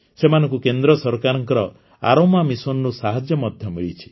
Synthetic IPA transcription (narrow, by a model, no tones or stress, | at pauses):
semanɔ̃ŋkukend̪ɾɔsɔɾkaɾɔŋkɔɾɔ | a̰ɾomamisɔnɾusaɦad͡ʒjɔmɔd̪ʱjɔmiɭit͡ʃʰi̥